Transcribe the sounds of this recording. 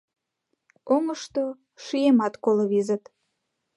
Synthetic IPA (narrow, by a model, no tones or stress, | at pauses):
oŋəʃt̪o | ʃijemɑt̪koloβizət̪